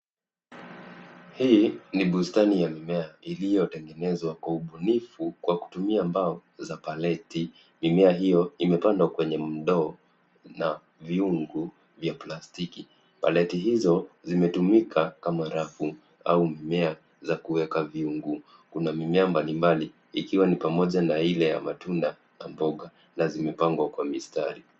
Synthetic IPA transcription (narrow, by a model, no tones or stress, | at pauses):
hiːniɓustanijamimɛailijɔtɛŋɡɛnɛzwakwauɓunifukwaku̥tumiambaɔzapalɛti | mimɛaɦijɔimɛpandwakwɛɲɛm̩ɗɔː | na | viuŋɡu | vjaplastiki | pa̰lɛtiɦizɔzimɛtumikʰakamaɾafu | a̰umimɛa | zakuwɛkaviuŋɡu | kunamimɛambalimbali | ikiwanipamɔʄanailɛja̰matunda | na̰mbɔɠa | nazimɛpaŋɡwakwamistaɾi